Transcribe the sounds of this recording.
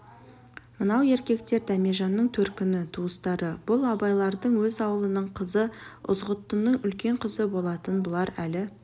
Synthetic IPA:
mənɑwe̞ɾkʲe̞k̚t̪e̞ɾd̪æmeʒɑnːəɴt̪ʰɵɾkʲɪnɪt̪ʰuəst̪ɑɾəb̥ʊlˠɑbɑjlˠɑɾd̪əɴwɵzɑwəlˠənəɴqʰəzəʔʊ̰zʁət̪ːənəɴʏlkʲe̞ɴqʰəzəbo̞lˠɑt̪ənbʊlˠɑɾælɪ

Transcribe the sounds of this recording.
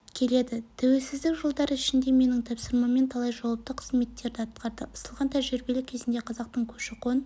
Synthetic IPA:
kʲʰe̞le̞d̪ɪt̪ʰæwe̞lsɪzd̪ɪkʒolˠd̪ɑɾəɪʃɪnd̪e̞me̞nɪŋt̪ʰɑpsəɾmɑme̞nt̪ʰɑlˠɑjʒɑwɑp̚t̪əqʰə̥zme̞t̪ːe̞ɾd̪ɪɑt̪qʰɑɾd̪əʔʊsəlˠʁɑnt̪ʰæʒɾbe̞lɪkʲʰe̞zɪnd̪e̞qʰɑzɑq̚t̪əɴkʲʰɵ̥ʃɪqo̞n

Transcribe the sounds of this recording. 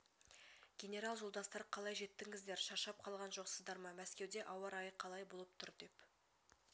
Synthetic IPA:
ɡʲe̞nʲe̞ɾɑlˠʒolˠd̪ɑst̪ɑɾqʰɑlˠɑjʒe̞t̪ːɪŋɪzd̪eɾʃɑʃɑp̚qʰɑlˠʁɑnʒo̞qsəzd̪ɑɾmɑmæskʲe̞wd̪e̞ʔɑwɑɾɑjəqʰɑlˠɑjbo̞lˠəp̚t̪ʰʊɾd̪e̞p

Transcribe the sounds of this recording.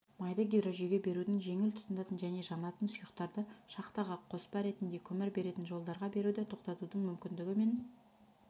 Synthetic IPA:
mɑjd̪əɡʲij̪ɾoʒijɡʲe̞be̞ɾud̪ɪŋʒe̞ŋɪlt̪ʰʊ̥t̪ənd̪ɑt̪ənʒæne̞ʒɑnɑt̪ənsʊjəqt̪ɑɾd̪əʃɑqt̪ɑʁɑqʰo̞spɑɾe̞t̪ɪnd̪e̞kʲʰɵmɪɾbe̞ɾe̞t̪ɪnʒo̞lˠd̪ɑɾʁɑbe̞ɾud̪ɪt̪ʰo̞qt̪ɑt̪ud̪əɴmʏmkʲɪnd̪ɪɡʲɪme̞n

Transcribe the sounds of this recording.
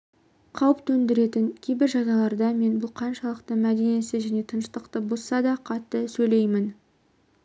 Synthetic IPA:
qʰɑwəpt̪ɵnd̪ɪɾe̞t̪ɪŋkʲʰejbɪɾʒɑnɑlˠɑɾd̪ɑme̞nbʊlˠqʰɑnʃɑlˠəqt̪əmæd̪e̞nesɪʒæne̞t̪ʰənəʃt̪əqt̪əbossɑd̪ɑqʰɑt̪ːəsɵjle̞jmɪn

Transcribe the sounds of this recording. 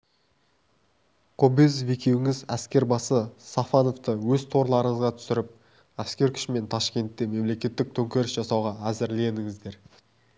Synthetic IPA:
qʰobezvekʲʰe̞wɪŋɪzæskʲe̞ɾbɑsəsɑfɑno̞ft̪əwɵzt̪ʰo̞ɾlˠɑɾəɴəzʁɑt̪ʰʏ̥sɪɾɪp̚ | æskʲe̞ɾkʲʰʏ̥ʃɪme̞nt̪ʰɑʃkʲe̞nt̪ːe̞me̞mle̞kʲe̞t̪ːɪk̚t̪ʰɵŋkʲe̞ɾɪsʒ̥ɑsɑwʁɑæzɪɾle̞nɪŋɪzd̪e̞ɾ

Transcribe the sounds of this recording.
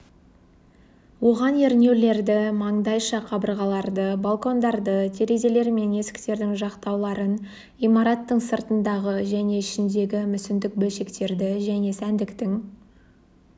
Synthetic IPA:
wo̞ʁɑne̞ɾnʲe̞wle̞ɾd̪ɪmɑɴd̪ɑjʃɑqʰɑbəɾʁɑlˠɑɾd̪əbalˠko̞nd̪ɑɾd̪ət̪ʰe̞ɾe̞ze̞le̞ɾme̞ne̞sɪ̥kt̪e̞ɾd̪ɪŋʒɑqt̪ɑwlˠɑɾən | imɑɾɑt̪ːəɴsəɾt̪ənd̪ɑʁəʒæne̞ɪʃɪnd̪e̞ɡʲɪmʏsɪnd̪ɪk̚bɵlʃe̞kt̪e̞ɾd̪ɪʒæne̞sænd̪ɪkt̪ɪŋ

